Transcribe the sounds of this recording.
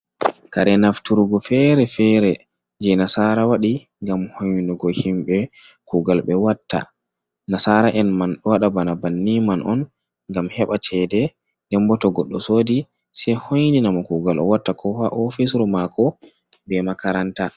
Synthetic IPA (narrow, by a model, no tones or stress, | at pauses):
kaɾɛnaftuɾɡɔfɛɾɛfɛɾɛ | d͡ʒɛnasaɾawaɗi | ŋɡamhojnɔɡɔhimɓɛ | kuɡalɓɛwatːa̰ | nasaɾaʔɛnmanɗwaɗabanabanːimanʔɔ̰n | ŋɡamhɛɓat͡ʃɛdɛ | dɛmbɔtɔɡɔɗːɔsoːdi | sɛhojninamɔkuɡalʔɔ̰watːakʰɔhaʔofisɾɔmakʰɔ | bɛmakaɾanta